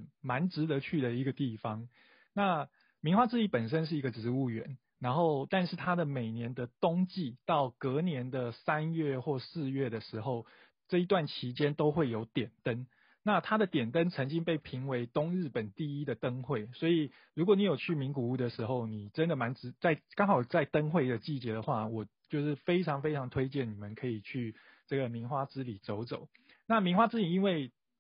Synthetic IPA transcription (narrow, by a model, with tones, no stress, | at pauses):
ma˧˦nʈ͡ʂɻ̩˧˥t̪ə˧˦t͡ɕʰy˥˩ɾə˩i˧˥ɡə˧t̪i˥˩fɑ˦ŋ | na˥˨ | mi˧˥ŋxwa˥˧t͡sɻ̩˥˧i˥˩pə˨˩nʂ̬ə˦˥nʂ̬ɻ̩˥˩i˧˥ɡə˨ʈ͡ʂɻ̩˧˥u˥˩ɥɛ̰˧˦n | na˧˦nxo˥˧ʊt̪a˥˧nʂɻ̩˥˩t̪ʰa˥d̪ə˨me˨˩ɪnjɛ˧˦nd̪ə˨t̪ʊ˥ŋt͡ɕi˥˧t̪ɑ˥˩ʊkɤ˧˥njɛ˧˥nd̪ə˨sa˦nɥɛ˥˧xwɔ˥˧sɹ̩˥˧ɥɛ˥˩d̪ə˩ʂɻ̩˧˥xo˥˧ʊ | ʈ͡ʂɤ˥˩i˧˥t̪wa˥˩nt͡ɕʰi˧˥t͡ɕjɛ˥nt̪o˥ʊxwe˥˩ɪjo˧˥ʊt̪jɛ˨˩nt̪ə˦n | na˥˩t̪ʰa˥d̪ə˨t̪jɛ˨˩nt̪ə˦˥nt͡sʰə˧˥ŋt͡ɕi˥ŋpe˥˩ɪpʰi˧˥ŋwe˧˥ɪt̪ʊ˥ŋɻɻ̩˥˩pə˨˩nt̪i˥˩i˥d̪ə˨t̪ə˥ŋxwe˥˩ɪswɔ˧˥i˨˩ | ɻu˧˥kwɔ˨˦ni˨˥jo˨˩ʊt͡ɕʰy˥˩mi˧˥ŋku˨˩u˥˩d̪ə˨ʂɻ̩˧˥xo˥˩ʊni˨˩ʈ͡ʂə˦nd̪ə˨ma˧˦nɻ̩˨˩t͡sa˥˩ɪkɑ˥ŋxɑ˨˩ʊt͡sa˥˩ɪt̪ə˥nxwe˥˩ɪd̪ə˩t͡ɕi˥˩t͡ɕjɛ˧˥d̪ə˨xwa˥˩wɔ˨˩t͡ɕjo˥˧ʊʂɻ̩˥˩fe˥ɪʈ͡ʂʰɑ˧˥ŋfe˥ɪʈ͡ʂʰɑ˧ŋt̪ʰwe˥ɪt͡ɕjɛ˥˩nni˨˩mə˦nkʰɤ˧˥i˨˩t͡ɕʰy˥˧ | ʈ͡ʂɤ˥˩ɡə˩mi˧˥ŋxwa˥t͡sɻ̩˥li˨˩t͡so˧˥ʊt͡so˨˩˦ʊ | na˥˨mi˧˥ŋxwa˥t͡s̩˥li˨˩i˥nwe˥˩ɪ